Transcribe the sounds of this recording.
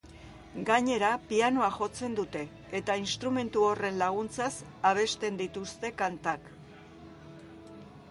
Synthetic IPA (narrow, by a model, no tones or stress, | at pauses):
ɡaɲe̞ɾapiano̞aʝo̞t͡se̞nd̪ut̪e̞ː | t̪ainst̪ɾume̞nt̪uo̞re̞nlaɣ̞unt͡sasaβ̞e̞st̪e̞nd̪it̪ust̪e̞kant̪ak